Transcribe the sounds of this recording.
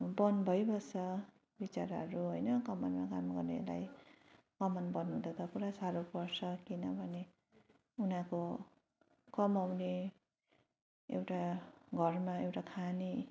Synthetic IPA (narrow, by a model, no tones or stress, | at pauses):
bʌnbʱʌjbʱʌsʌ | bit͡saɾɦʌɾuɦojnʌkʌmʌnmakamɡʌrnḛla̰j | kʌmʌnbʌnud̪ʱʌt̪ʌkuɾasaɾopʌrsʰʌkinʌbʱʌne | unãko | kʌmawne | ewʈaɡʱʌrmaewʈakʰani